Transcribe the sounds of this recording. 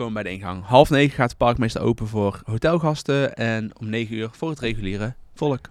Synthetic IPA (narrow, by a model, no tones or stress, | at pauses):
owməbɛjdəɪnɣɑ̰ŋɦɑlˠfnejχəχaːtə̥pɑɹkmejstəɹo̰wpənvʊːrɦowtɛlˠɣɑstəɛnɔmnejχənyːɹv̥ʊːɹətrejχyliːrəv̥ɔlˠək